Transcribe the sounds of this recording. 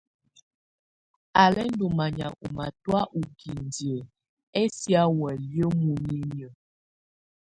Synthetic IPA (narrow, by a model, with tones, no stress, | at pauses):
a˨lɛ˦n˦do˨ma˨ɲa̰˨ʔṵ˨ma˨twa˦ʔu˨ɡi˨n˨de˨ | ɛ˦sja˦wɛ˨ljo˦mu˨ɲi˦ɲ˨ə˨